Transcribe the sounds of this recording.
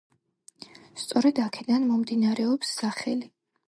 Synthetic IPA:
st̪sʼɔɾɛd̪akʰɛd̪anmɔmd̪inaɾɛɔpsːaχɛli

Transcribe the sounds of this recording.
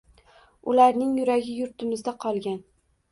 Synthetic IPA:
ʊlaɾnɪŋjʊɾaɡʲɪjʊɾt̪ɪmɪzd̪aqʰɒlˠɡʲan

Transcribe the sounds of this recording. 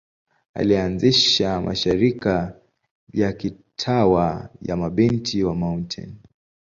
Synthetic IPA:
a̰lianziʃama̰ʃiɾika | jaki | tʰawaja̰maɓintʰiwamauntʰɛ̰n

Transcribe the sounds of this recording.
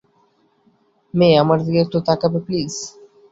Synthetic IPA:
meamaɾd̪ikek̚ʈot̪akapepliːz̥

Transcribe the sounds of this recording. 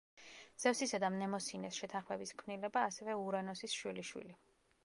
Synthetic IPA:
z̥ɛfsisad̪amnɛmɔsinɛsʃɛt̪ʰanχmɛbiskʰmnilɛbaːsɛvɛuɾanɔsisʃwiliʃwḭli

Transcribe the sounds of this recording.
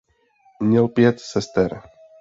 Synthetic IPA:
mɲɛlˠpjɛt̪sɛst̪ɛɾ

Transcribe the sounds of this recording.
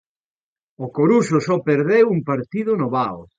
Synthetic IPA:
okoɾusʊsɔpeɾðewuŋpaɾt̪iðʊnʊβao

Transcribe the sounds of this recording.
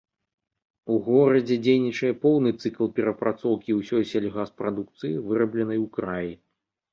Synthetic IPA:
uɣɔɾɐd͡zʲɛd͡zʲejnʲit͡ʂɐjɛpɔwnɨt̪sɨklˠpʲɛɾɐpɾʔat̪sɔwkʲiwsʲɔjsʲalʲɣaspɾad̪uk̚t̪sɨjivɨɾɐblʲɛnɐjwkɾaji

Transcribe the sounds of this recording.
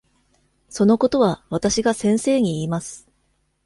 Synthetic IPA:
so̞no̞ko̞t̪o̞βaβat̪aɕiɡasẽ̞ɰ̃se̞ːɲ̟iːmasɨ̥

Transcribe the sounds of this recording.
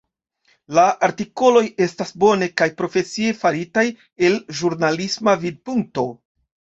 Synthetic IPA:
laʔaɾtiko̞lo̞je̞stasbo̞ne̞kajpɾo̞fe̞sie̞faɾitaj | e̞lʒuɾnalismavid̚puŋk̚to̞

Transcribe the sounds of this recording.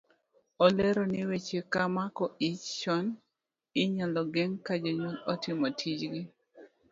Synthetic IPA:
ɔleɾonɪwet͡ʃekamakɔit͡ʃt͡ʃɔn | ɪɲalɔɡeŋkad͡ʒoɲolɔtɪmɔtʰid͡ʒɡɪ

